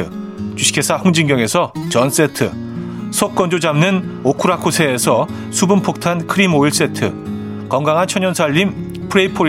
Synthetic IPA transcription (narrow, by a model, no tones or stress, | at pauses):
ɯt͡ɕuɕʰi̥kʰe̞sʰahoŋd͡ʑiŋɡjʌŋe̞sʰʌt͡ɕʌns͈e̞tʰɯ | sʰʌk̚k͈ʌnd͡ʑod͡ʑamnɯnokʰuɾakʰusʰe̞ːsʰʌ | sʰubumpʰok̚tʰankʰɯɾimoiɭs͈e̞tʰɯ | kʌŋɡaŋɦant͡ɕʰʌɲʌnsʰaʎːim | pʰɯɾe̞ipʰo